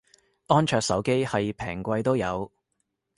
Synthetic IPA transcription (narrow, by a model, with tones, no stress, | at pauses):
ʔɔː˥nt͡ʃʰœː˧k̚sɐ˨˥wke˥jhɐ˨jpʰɛ̰ː˨˩ŋkʷɐ˧jt̪o˥wjɐ˨˧w